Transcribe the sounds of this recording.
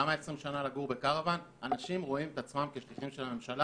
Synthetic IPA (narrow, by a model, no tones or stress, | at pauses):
amae̞sʁimʃanalaɡuʁbe̞kaʁavan | anaʃimʁoimet̪at͡smamke̞ʃliχimʃe̞lhamemʃala